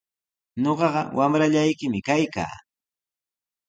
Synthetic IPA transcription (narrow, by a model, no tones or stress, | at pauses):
ɲoɢɑɢɑ̰wʔamɾaʎajkɪmɪkajka̰ː